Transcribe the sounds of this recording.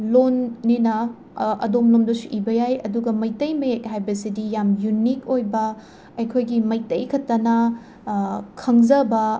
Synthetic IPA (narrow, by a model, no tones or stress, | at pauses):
lonːinɐ | ɐ̰domlomdɐsu̥ʔibɐjajɐduɡɐmɐjtɐjmɐjek̚ɦajbɐsidijamjunik̚ojbɐ | ɐjkʰojɡimɐjtɐjkʰɐtːɐnɐ | kʰɐŋzɐbɐ